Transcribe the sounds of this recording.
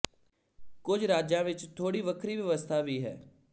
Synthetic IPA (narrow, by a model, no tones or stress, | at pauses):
kʊd͡ʒɾaːd͡ʒãːʋɪt͡ʃt̪ʰoːɽiːʋəkʰɾiːʋəʋəst̪ʰaːʋiːɦɛ̰ː